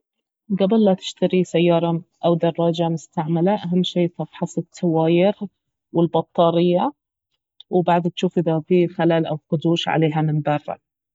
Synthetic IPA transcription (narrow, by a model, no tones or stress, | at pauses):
ɡabɪlːat̪ɪ̥ʃt̪aɾisajːɑːɾˤɑʔawd̪ɑrˤːɑːd͡ʒamʊst̪aʕmalaʔaɦamːʃiːt̪ɑbħɑsˤɪt̪ːawaːjɪɣ | wɪlbɑt̪ˤːɑːɾɪjːa | wbaʕd̪t̪ʃuːfʔɪðafixalaːlʔawqʊd̪uːʃʕa̰leːɦamɪnbɑrˤːɑ̰